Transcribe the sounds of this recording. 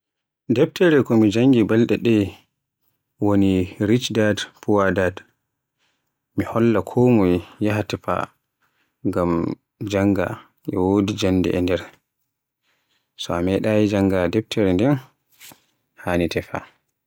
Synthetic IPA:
dɛp̚tɛɾɛkɔmid͡ʒaŋɡibalɗɛɗɛ | woniɾit͡ʃdadpuwadad | mihɔlːakʰɔmɔjjaɦatɛpa̰ | ŋɡam | d͡ʒaŋɡa̰ | ʔɛwodid͡ʒanːdɛ̰ʔɛ̰ndɛɾ | sɔamɛɗajid͡ʒaŋɡadɛp̚tʰɛɾɛndɛn | hanitʰɛfa̰

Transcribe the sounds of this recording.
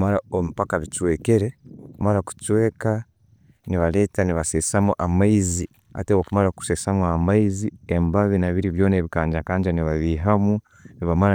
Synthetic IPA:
maɾaomupakaβit͡ʃweːkeɾekumaɾaku̥t͡ʃwe̞ːka | niβaleːtaniβasesamuʔamaizi | a̰tewokumaɾaku̥sesamuamaiziembaβinaβiɾiβjo̞ːneβikaːɲd͡ʒakaːɲd͡ʒaniβaβiɦamu | βiβamaɾa

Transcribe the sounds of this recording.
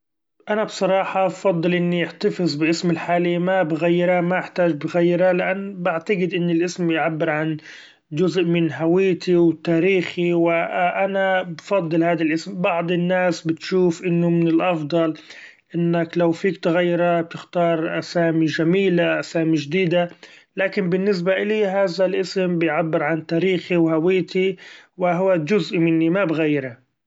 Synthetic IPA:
ʔanabsˤɑɾˤɑːħɑbfɑd̪ˤːɨlʔɪnːijɪħt̪ɑfɨzˤbɪʔɪsmɪlħaːlimabɣajːɪɾamaʔɪħt̪aːd͡ʒbɪɣajːɪɾalɪʔanːbaʕt̪aɡɪd̪ʔɪnːɪlʔɪsmjʕabːɪɾʕan | d͡ʒʊzʔmɪnɦawiːt̪iwt̪aːɾiːxiwɪʔanabfɑd̪ˤːɨlhaːd̪alʔɪsmbɑʕd̪ˤɪnːaːsbɪt̪ʃuːfʔɪnːʊmɪnɪlʔɑfd̪ˤɑl | ʔɪnːaklawfiːkt̪ɪɣajːɪɾab̚t̪ɪxt̪ɑːɾˤʔasaːmiʒamiːlaʔasaːmiʒd̪iːd̪alaːkɪmbɪnːɪs̬baʔɪliːɦaːðalʔɪsmbɪjʕabːɪɾʕant̪aːɾiːxiwhawiːt̪iwɪɦʊwːad͡ʒʊzʔmɪnːimabɣajːɪɾa

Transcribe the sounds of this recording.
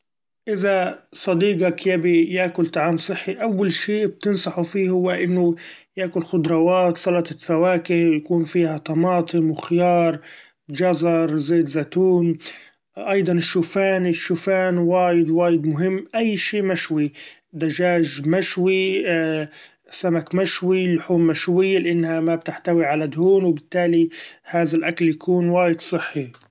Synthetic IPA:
ʔɪzasˤɑd̪iːɡɑkjaːbijaːkʊlt̪aʕaːmsˤɨħːiʔawːalʃiːb̚t̪ɪnsˤɑħufiːhʊwːaʔɪnːʊ | jaːkʊlxʊd̪ɾˤɑwaːt̪sˤɑlɑt̪ɑfawaːkɪhjakuːnfiːhat̪ɑmɑːt̪ˤɪmxɪjɑːɾˤ | d͡ʒɑzˤɑɾˤzeːd̪zat̪uːm | ʔɑjd̪ˤɑnɪʃːuːfaːnɪʃːuːfaːnwaːjɪd̪waːjɪd̪mʊɦɪmːʔajːʃiːmaʃwi | d̪aʒaːʒmaʃwi | samakmaʃwilħuːmːaʃwɪjːalɪʔɪnːhamab̚t̪ɪħt̪awiʕalad̪huːnwbɪt̪ːaːlihaːðalʔakljakuːnwaːjɪd̪sˤɨħːi

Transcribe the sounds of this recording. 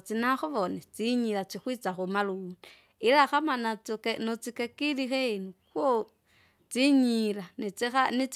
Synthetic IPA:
t͡sinaxuβonet͡siɲilat͡sixwit͡saxumaluni | ilaxamanat͡skenot͡sikekilixenukwo | t͡siɲilanit͡sianit͡s

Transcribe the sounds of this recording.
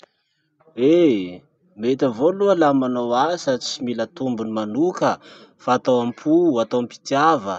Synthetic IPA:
e | met̪əvoluəlamanowasət͡similət̪umbunimanukəfaːt̪owampʰuat̪ompi̥t̪iavə

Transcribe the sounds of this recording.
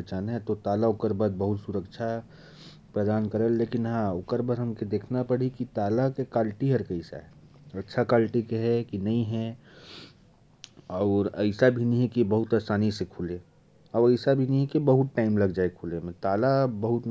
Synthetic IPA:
t͡ʃaːnɦɛt̪ot̪aːlaʊkəɾbaːd̪̚bɐɦʊt̪sʊɾəkʃʰa | pɾəd̪aːnkɐɾəlːeːkɪnɦãʊkəɾbad̪ɦɐmked̪eːkʰnapɐɽ̤ikit̪aːlakekaːlʈiɦɐɾkəɪsa̰ɦɛ | ɐtːʃʰakaːlʈikeɦɛkinɐɦĩɦɛ | ɔːɾɐɪsabʱinəɦĩɦɛkibɐɦʊt̪aːsaːnisekʰuːlẽ | ɔːɾɐɪsabʱinɦiɦɛ̃kibɐɦʊt̪̚ʈaːɪmlɐɡd͡ʒaːekʰuːlemẽt̪aːlabɐɦʊt̪

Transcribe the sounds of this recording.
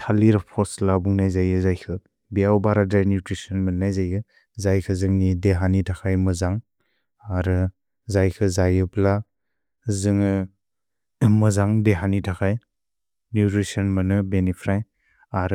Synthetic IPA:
tʰaliɾpʰɔslabuŋnajzajɯzajkʰɯ | bijawbaɾadɾajnjutɾisɔnmɯnːajzajɯ | zajkʰɯzɯŋnideɦanitʰakʰajmɯzaŋ | aɾɯ | zajkʰɯzajɯpla | zɯŋɯ | mɯzaŋdeɦanitʰakʰaj | njutɾisɔnmɯnɯbenipʰɾaj | aɾɯ

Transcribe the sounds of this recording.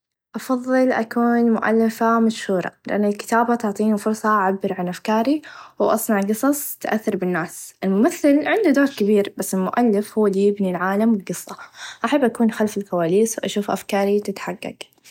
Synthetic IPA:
ʔɑfɑðˤːɨlʔa̰kuːnmʊʔa̰lːafamaʃhuːɾˤɑ̰lɪʔanːɪlkɪ̥t̪aːbat̪ʊʕt̪ˤiːnafʊɾˤsˤɑʔaʕabːɪɾʕanʔafkɑːɾiwʔɑ̰sˤnɑʕɡɨsˤɑsˤt̪ʔaθːɑɾˤbɪnːaːsʔɪlmʊmaθːɪlʕɪnd̪ud̪oːt̪kɪbiːɾbasːɪlmʊʔalːɪfhʊwːaljɪbnilʕaːlamwɪlɡɨsˤːɑʔaħabːʔakuːnxalfɪlkawaːliːswʔa̰ʃuːfʔafkɑːɾit̪ɪt̪ħaɡːa̰ɡ

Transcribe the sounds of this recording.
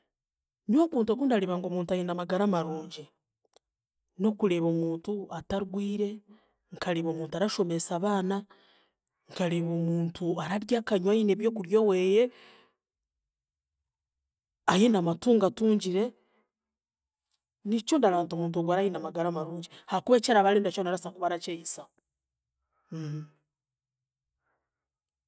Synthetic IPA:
nokuːntokundaɾeβaŋɡo̞muːntajinamaɡaɾamaɾuːɲɟi | no̞kuɾe̞ːβo̞ːmuːntuataɾɡwiːɾe̞ | ŋkaɾeβo̞ːmuːntuaɾaʃo̞mesaːβaːna | ŋkaɾeːβo̞muːntuaɾaɾjaːkaɲwaine̞ːβjo̞ːkuɾjo̞weːje | ajenamatuːŋɡatuːɲɟiɾe̞ | nit͡ʃo̞ndaɾaːnto̞muːnt̬uoɡwaɾajinamaɡaɾamaɾuːɲɟihakuβet͡ʃaɾaβalendat͡ʃonaɾasakuβaɾat͡ʃejisao

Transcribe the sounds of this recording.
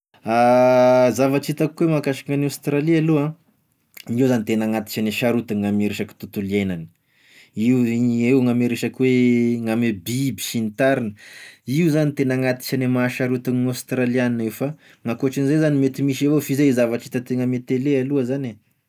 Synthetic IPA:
a | zavat͡ʃit̪akːuwemakaʃḁŋanawst̪ɾalialua | newzanit̪enaŋat̪i̥t͡ʃaneʃaɾut̪iameɾeʃaki̥t̪ut̪uliajnanə̥ | iewŋameɾeʃakweŋamebibi̥ʃinit̪aɾinəiuzanit̪enaŋat̪i̥t͡ʃanemaʃaɾut̪ininast̪ɾalianinewfa | ŋakoʈ͡ʂinizezanimet̪imiʃewofizezavat͡ʃi̥t̪at̪eŋamet̪elealuəzane

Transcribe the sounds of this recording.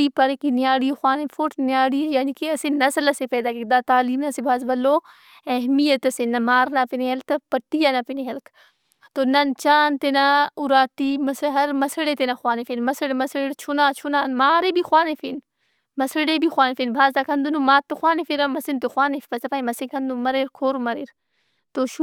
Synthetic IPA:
ipɐɾekinijaːɽixwaːnefoʈʰnjaːɽiːjaːnikiɐsenɐslɐsepɛːd̪aːkid̪aːt̪aːliːmnɐsebʱaːzbɐlːoː | ɐɦmijɐt̪ɐsenɐmaːɾnapineɦɐlt̪ɐpɐʈːijanɐpineɦɐlk | t̪onɐnt͡ʃaːnt̪enaʊɾaːt̪iːmɐsɦɐɾmɐsɽet̪enaxwaːnefenmɐsəɽemɐsəɽt͡ʃʰunaːt͡ʃʰunaːnmaːɾebʱixwaːnefen | mɐsəɽebʱixwaːnefinbʱaːzt̪akʰɐnd̪unumaːt̪ːuxwaːnefeɾɐmɐsint̪uxwaːnefpɐst̪ɐpaːĩmɐsekʰɐnd̪umɐɾeːɾkʰoːɾmɐɾeːɾ | t̪oʃu

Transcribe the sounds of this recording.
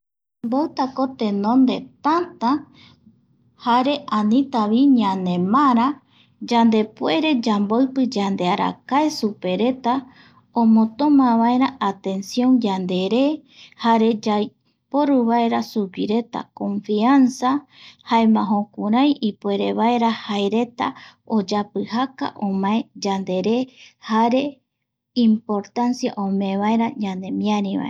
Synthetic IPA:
mbowt̪ako̞t̪e̞nõnd̪e̞t̪at̪a | haɾe̞ʔanĩt̪aβiɲãnẽ̞mãɾa | d͡ʒand̪e̞pwe̞ɾe̞d͡ʒambowpɨd͡ʒand̪e̞aɾa̰kaesupe̞ɾe̞t̪a | õmõt̪o̞mãβaeɾãʔat̪e̞nsjõ̞nd͡ʒand̪e̞ɾe̞ | haɾe̞d͡ʒaj | po̞ɾɨβaeɾasupiɾe̞t̪a̰ko̞ɱfiansa | haemãɦõkuɾãjʔipoe̞ɾe̞βaeɾahaeɾe̞t̪a̰ | od͡ʒapɨhaka̰ʔõ̞mãed͡ʒand̪e̞ɾe̞haɾe̞ | impo̞ɾt̪ansja̰ʔõmẽβaeɾad͡ʒand̪e̞mĩãɾĩβa̰e

